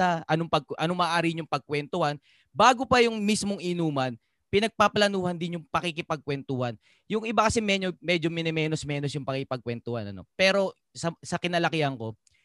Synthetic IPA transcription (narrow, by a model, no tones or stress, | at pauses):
ɐʔɐnoŋpɐɡ̚ʔɐnomɐʔːʔaːɾɪɲʊŋpɐɡ̚kwɛnt̪ohan | baːɡopɐjʊŋmismoŋʔɪnuːmɐn | pɪnɐɡ̚paplɐnuːhɐnd̪ɪnjʊŋpɐkɪkɪpɐɡ̚kwɛnt̪uhan | jʊŋʔɪbakɐsɛmɛɲomɛd͡ʒomɪnɛmɛːnosmɛːnosjʊŋpɐkɪkɪpɐɡ̚kwɛnt̪ʊhanɐ̰no̞̰pɛːɾo̞ | sɐsɐkɪnɐlɐkɪhɐŋko̞